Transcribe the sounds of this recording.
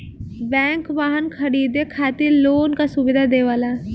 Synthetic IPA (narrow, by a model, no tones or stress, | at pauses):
bɛ̃ːŋkʋaːɦənkʰəɽiːd̪ekʰaːt̪ɪɾloːnkasʊbɪd̪ʱaːd̪eːʋaːlaː